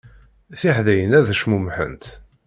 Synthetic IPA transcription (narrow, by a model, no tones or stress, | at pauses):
θiħðæjənæðəʃmumħə̰nt̪